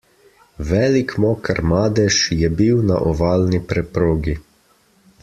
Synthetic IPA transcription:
ʋɛːlikmɔːkəɾmaːd̪ɛʃjɛbiwna̰ʔɔʋaːlnipɾɛpɾoːɡi

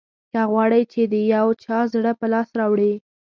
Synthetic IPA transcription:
kaɣwɑɽəjt͡ʃed̪əjawt͡ʃɑzɽəpəlɑsɾɑwɽi

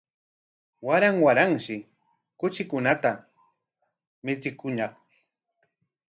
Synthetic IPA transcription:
waɾaŋwaɾaŋʃɪ | kʊt͡ʃɪkʊnat̪a | mɪt͡sɪkʊɲɑχ

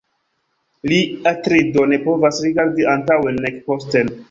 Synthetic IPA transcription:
liatɾidone̞po̞vasɾiɡaɾdiʔantawenekposten

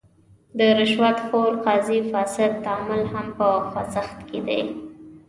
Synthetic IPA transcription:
d̪əɾɪʃwat̪xoɾqɑzifɑsɪd̪̚t̪ːamʊlhampəxwazaxt̪ked̪a̰j

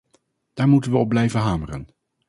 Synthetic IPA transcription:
d̥aːɹmutənʋəɔb̚lɛjvəɦaːmərə̰n

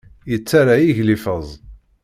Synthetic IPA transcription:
jət͡sːaɾajiʝlifəzˤ

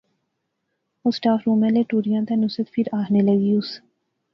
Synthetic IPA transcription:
ʊsʈaːfɾuːmẽleːʈuːɾijãːt̪enʊsət̪pʰɪɾaːɦneləɡiːʊs

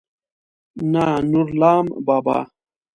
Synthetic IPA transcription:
nanuɾlaːmbaːba̰ː

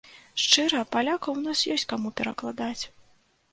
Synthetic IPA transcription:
ʂt͡ʂɨɾɐpalʲakɐwnasjɔsʲt͡sʲkamupʲɛɾɐklˠad̪at͡sʲ

